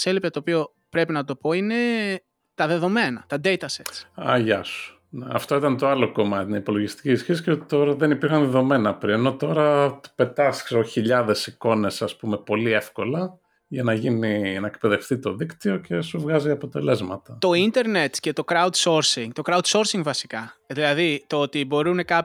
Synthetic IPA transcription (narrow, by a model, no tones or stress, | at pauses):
selipet̪oːpio | pɾe̞pinɐt̪o̞po̞ine̞ | t̪ɐðe̞ðo̞me̞nɐt̪ɐd̪e̞jt̪ɐsesɐʝɐ̰su̥ | neɐ̰ft̪o̞it̪ɐnt̪o̞ɐlo̞ko̞mɐt̪inɐipo̞lo̞ʝist̪i̥ciːsçesi̥cet̪o̞ɾɐðenipiɾxɐnðeðo̞me̞nɐpɾieno̞t̪o̞ɾɐpe̞t̪ɐskseoçiʎɐðe̞siko̞ne̞sɐspume̞po̞liefko̞lɐ | ʝɐnɐʝininɐek̚pe̞ðe̞ft̪it̪o̞ðikt̪io̞ce̞suvɣɐziɐpo̞t̪e̞le̞zmɐt̪ɐt̪o̞int̪e̞ɾnet̪ce̞t̪o̞kɾɐud̪so̞ɾsiŋt̪o̞kɾɐud̪so̞ɾsiŋɡvɐsi̥kɐðilɐðit̪oot̪ibo̞ɾune̞kɐp